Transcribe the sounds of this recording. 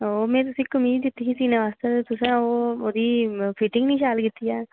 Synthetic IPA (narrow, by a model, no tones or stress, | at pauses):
oːmɛ̃ːt̪ʊsĩːkʊmiːd̪d̪ɪt̪ːiisiːnãʋaːst̪et̪ʊsãːoːoːd̪iːpʰɪʈɪŋɡnĩːʃaːlkɪt̪ːijaː